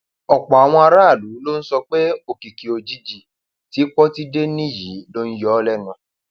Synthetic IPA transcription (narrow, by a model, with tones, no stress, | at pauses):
ɔ˨k͡pɔ˨a˨w̃ɔ̃˧a˧ɾa˦a˦˨lu˨˦lo˦n̩˦sɔ˧k͡pe˦o˨ki˨ki˨o˨˧d͡ʒi˦d͡ʒi˨ | ti˨˦k͡pɔ˦ti˦de˦nĩ˦˨ji˨˦lo˦n̩˦jɔ˦lɛ˦nũ˨